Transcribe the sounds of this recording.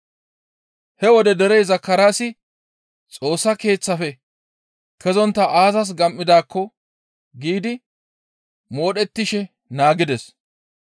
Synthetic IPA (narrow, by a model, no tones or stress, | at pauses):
hɛwɔd̪ɛd̪ɛɾɛjzɐkːɐɾaːsɪ | t͡sʼo̞ːsːɐke̞ːt͡sːɐfɛ | kʰɛzɔnt̪ːɐʔaːzɐs̬ɡɐmʔːɪd̪aːkʰːɔ | ɡiːd̪ɪ | mo̞ːɗɛt̪ːɪʃɛ | naːɡɪd̪ɛs